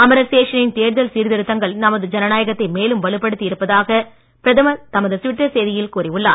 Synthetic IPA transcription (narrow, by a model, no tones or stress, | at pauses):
ɐmɐɾɐseːʂɐnɪnt̪eːɾðɐlsiːɾðɪɾɯt̪ːɐŋɡɐɭnɐmɐðɯd͡ʒɐnɐnaːjɐɣɐt̪ːɐɪmeːlɯmʋɐɭɯpːɐɽɯt̪ːiɪɾɯpːɐðaːɣɐ | pɪɾɐðɐmɐt̪ɐmɐðɯsʋɪʈːɐsejðɪjɪlkuːriʊɭːa̰ː